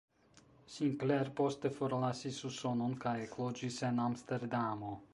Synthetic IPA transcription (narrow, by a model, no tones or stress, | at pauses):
sinkleɾpo̞st̪efoɾlasisusononkajeklod͡ʒisenamst̪eɾd̪amo